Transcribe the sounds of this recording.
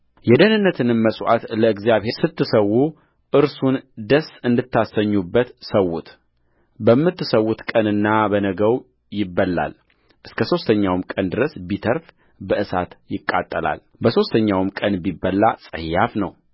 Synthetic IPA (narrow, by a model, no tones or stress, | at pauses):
jɛd̪ənɨnːət̪ʰɨnɨmməsʼwa̰t̪ləɨɡzijaβhesɨt̪ːɨsəwːu | ʔɨɾsund̪əsɨnd̪ɨt̪ːasəɲːubːət̪səwːut̪ | bəmːɨt̪ːɨsəwːut̪kʼənɨnːabənəɡəw | jɪbːəlːa̰l | ʔɨskʰəso̞st̪ʰəɲːawmkʼənd̪ɨɾəsbit̪ʰəɾf | bəʔɨsa̰t̪jɪkʼːa̰t̪ʼːəla̰l | bəso̞st̪ʰəɲːawmkʼənbibːəlːasʼə̰hjafnəw